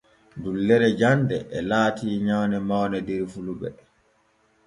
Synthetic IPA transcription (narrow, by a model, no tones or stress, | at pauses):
dulːɛɾɛd͡ʒandɛʔɛlaːtiːɲawnɛmawnɛdiɾfuluɓɛ̰